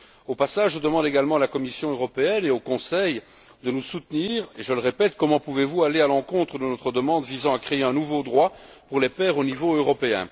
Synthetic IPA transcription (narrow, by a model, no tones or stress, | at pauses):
opasaʒʒəd̪əmɑ̃d̪eɡalmɑ̃alakɔmisjɔ̃øʁɔpeɛneokɔ̃sɛj | d̪ənusut̪niːʁeʒələʁepɛt̪kɔmɑ̃puvevualealɑ̃kɔ̃t̪χəd̪ənɔt̪χəd̪əmɑ̃d̪vizɑ̃akχeeɛ̃nuvod̪ʁwa | puʁlepɛːʁonivoøʁɔpeɛ̰̃